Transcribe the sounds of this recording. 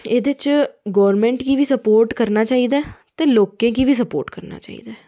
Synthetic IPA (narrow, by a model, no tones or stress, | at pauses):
eːd̪ɪt͡ʃɡɔːɾmɛ̃ːɳʈkiːʋiːsəpoːɾʈkəɾnaːt͡ʃaːiːd̪aːt̪eːloːkẽːkiːʋiːs̬əpoːɾʈkəɾna̰ːt͡ʃa̰ːḭːd̪aː